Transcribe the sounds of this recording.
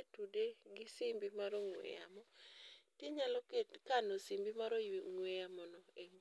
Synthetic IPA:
etudeɡɪsimbimaɾɔŋwɛ̰ja̰mɔtɪɲalɔkekanɔsimbimaɾoŋwejamɔnɔeŋ

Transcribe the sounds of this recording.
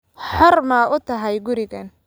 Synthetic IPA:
ħɔrmɐːʊt̪ʰɐɦɛjɡʊɾɪɣɐn

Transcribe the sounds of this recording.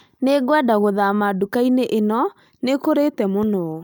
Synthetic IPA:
neɡwɛdaɣoðamadukaineʔenɔ | nekoɾetɛmonɔ

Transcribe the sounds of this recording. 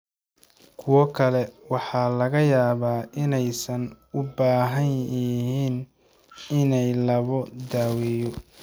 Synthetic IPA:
kʰʊwɔkʰɐlɛwɑħɑːlɐɣɐjaːβaːɪnɛjsɐn | ʊbaːɦɐnɦiːn | ɪnɛjlɐβɔd̪aːwɛːjɔ

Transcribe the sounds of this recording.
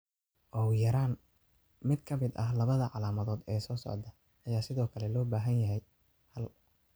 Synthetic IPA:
ʔɔːwjɐɾaːn | mɪd̪kʰɐmɪd̪ɐɦlɐβɐðɐʕɑlaːmɐðɔːd̪ɛːsɔːsɔ̰ʕd̪ɐ | ʔɐjaːsɪðɔːkʰɐlɛlɔːbaːɦɐnjɐɦɛj | hɐl

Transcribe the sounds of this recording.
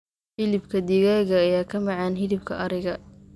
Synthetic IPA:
fɪlɪbkʰɐd̪iɣaːɣɐːjaːkʰɐmɑʕɑːnɦɪlɪb̚kʰɐʔɐɾɪɣɐ

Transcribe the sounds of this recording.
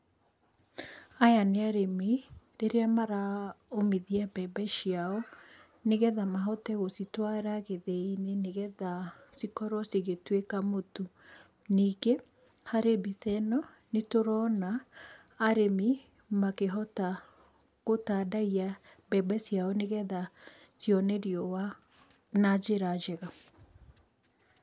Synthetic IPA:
ajaneaɾemi | ɾeɾeamaɾaomiðiabɛbɛʃiaɔ | neɣɛðamaɦɔtɛɣositwaɾaɣeðeineneɣɛðasikɔɾwɔsiɣetwekamotu | nike | haɾebiθɛnɔ | netoɾɔnaː | ɾemi | makeɦɔta | ɣotadaia | bɛbɛsjaɔneɣɛða | sjɔnɛɾiɔwa | nad͡ʒeɾad͡ʒɛɣa

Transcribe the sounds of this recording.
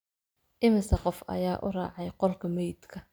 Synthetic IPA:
ʔɪmɪsɐqɔfɐ̰jaːʔʊ̰rɑ̰ːʕɑjqɔlkʰɐmɛjd̪kʰɐ

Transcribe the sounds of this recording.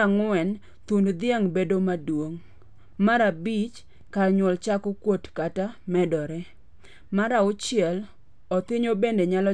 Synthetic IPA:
aŋwɛn | t̪undd̪ɪaŋbedomadwoŋ | maɾabit͡ʃ | kaɲwɔlt͡ʃakokwotkatamɛdɔɾɛ | maɾaʊt͡ʃɪɛl | ɔt̪ɪɲobendeɲalɔ

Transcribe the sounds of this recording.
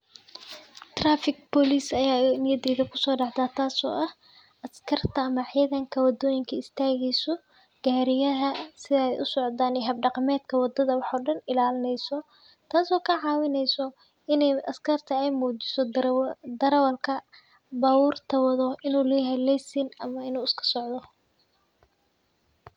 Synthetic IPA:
t̪raːfɪɡ̚bɔliːsɐjaːnɪjɐd̪ɛːðɐkʰʊ̥sɔːɖɑʕt̪aːt̪ʰaːsɔ̰ːʔɐh | ʔɐskʰɐrt̪ʰɐːmɐʕiðɐŋkʰɐwɑd̪ɔːjɪŋkʰɐɪst̪ʰaːɣɛjsɔ | ɡ̥aːɾɪjɐɦɐsɪðɐɛjʔʊsɔʕd̪aːnɛɦɐbɖɑqmɛːd̪kʰɐwɑd̪ɐðɐwɑħɔːɖɐnɪlaːlɪnɛjsɔ | t̪ʰaːsɔːkʰɐʕɑːwɪnɛjsɔ | ɪnɛjʔɐskʰɐrt̪ʰɐɛjmuːt͡ʃɪ̥sɔd̪ɐɾɐwɐlkʰɐ | baːwuːrt̪ʰɐwɐðɔɪnuːlɛɦɛlɛjsɪnɐmɐɪnuːɪskʰɐ̥sɔʕd̪ɔ

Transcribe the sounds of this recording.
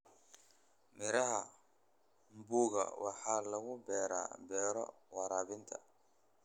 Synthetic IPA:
mɪɾɐɦɐ | mbuːɣɐ̰wʔɑħaːlɐɣʊbɛːɾa̰ːbɛːɾɔ̰ | wɑɾaːβɪnt̪ʰɐ

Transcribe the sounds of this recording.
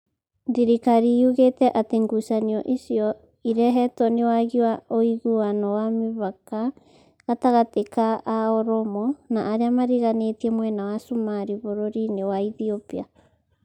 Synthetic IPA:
ndiɾikaɾijuɣetɛʔateŋɡusaniɔʔisjɔ | iɾɛɦɛtɔnewaɣiwaoiɣuanɔwamiβaka | ɣataɣatekaʔaɔɾɔmɔnaʔːɾeamaɾiɣanetiɛmwɛnawasumaɾiβoɾoɾinewaiθiopia

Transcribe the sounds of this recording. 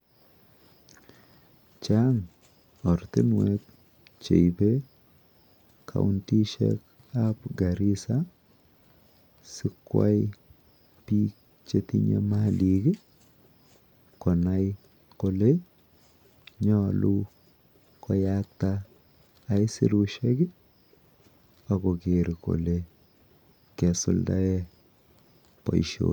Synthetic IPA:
t͡ʃaŋ | ɔɾt̪inwek̚ | t͡ʃḛjbe | kʰa̰untiʃɛ̰k | apɡaɾisa | sikwa̰j | pi | t͡ʃet̪iɲa̰maliɡe | kɔnaj | kole | ɲɔlu | kʰɔjak̚t̪aː | jsiɾuʃɛkɪ | akɔkeɾiko̰le | kɛsʊ̰lda̰ɛ | pa̰iʃo̰

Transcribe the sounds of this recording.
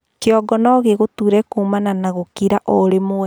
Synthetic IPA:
keɔɡɔnɔɣeɣotuːɾɛkumananaɣokiɾaʔɔɾemoɛ

